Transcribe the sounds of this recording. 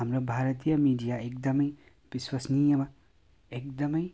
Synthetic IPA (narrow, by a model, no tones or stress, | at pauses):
amɾobʱaɾɐt̪ijɐmiɖijaek̚d̪ɐmʌj | b̥iswɐsnijɐmɐ | ek̚d̪ʌmʌj